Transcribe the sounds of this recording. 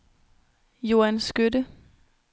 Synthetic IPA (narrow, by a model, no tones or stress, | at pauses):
jo̝ænsɡ̥ødə